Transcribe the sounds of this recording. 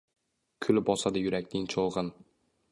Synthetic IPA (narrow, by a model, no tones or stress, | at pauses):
kʲʰʊlbɒsad̪ajʊɾakʲnɪŋt͡ʃʰɒlˠʁɤn